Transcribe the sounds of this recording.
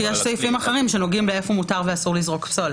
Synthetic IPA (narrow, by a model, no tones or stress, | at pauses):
jeʃsejfimaχeʁimʃe̞no̞ɡimleefomutaʁveasuʁlizʁo̞kpsol